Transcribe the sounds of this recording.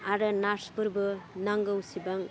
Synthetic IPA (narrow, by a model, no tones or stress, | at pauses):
aɾɯnaɾspɯɾbɯnaŋɡɯwsibaŋ